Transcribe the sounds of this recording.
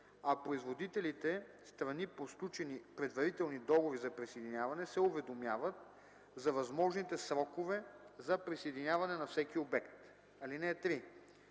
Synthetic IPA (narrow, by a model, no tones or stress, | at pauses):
ɐpɾoizvod̪it̪ɛlit̪ɛst̪ɾɐniposk̪lˠut͡ʃɛnipɾɛd̪vɐɾit̪ɛlˠnid̪ɔɡovizɐpɾisejd̪inʲavɐnɛsɛʊvɛd̪omjavət̪̚ | zɐvɐzmɔʒnit̪ɛsɾɔkovɛzɐpɾisejd̪inʲavɐnɛnɐfsɛkiobɛkt̪ | ɐlinɛːt̪ɾi